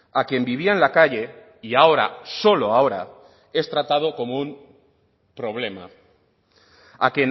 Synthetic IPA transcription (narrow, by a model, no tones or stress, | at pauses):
akje̞mbiβ̞iaenlakaʎe̞ | iao̞ɾa̰so̞loao̞ɾa̰ | e̞st̪ɾat̪að̞oko̞moum | pɾo̞βle̞ma̰ | a̰kjen